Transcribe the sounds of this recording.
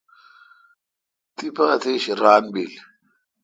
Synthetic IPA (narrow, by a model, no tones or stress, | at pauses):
t̪ʼɪpaːt̪eʃɾaːnbil